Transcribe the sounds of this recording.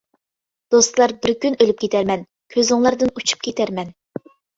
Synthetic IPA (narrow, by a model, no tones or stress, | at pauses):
d̪̥ost̪lˠɑɾbɪɾkʲynølyp̚kʲʰet̪ʰæɾmɛn | kʲʰøzɪŋlˠɑɾd̪ɨnut͡ʃʰu̥p̚kʲʰet̪ʰæɾmɛn